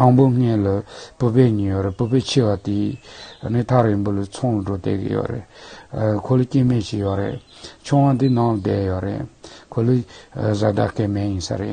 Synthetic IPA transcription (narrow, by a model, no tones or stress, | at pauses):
t̪ɑŋpoŋ̥eləpupeɲijoɾepupet͡ɕʰewat̪iənit̪ʰaɾinpolət͡sʰoŋləɖ͡ʐot̪ḛɡḭjø̰rḛʔ | kʰoləkemet͡ɕijoɾḛʔt͡ɕʰoŋwad̪inɑŋləd̪ejoɾḛʔkʰoluzad̪a̰hkemejinsa̰ɾḛʔ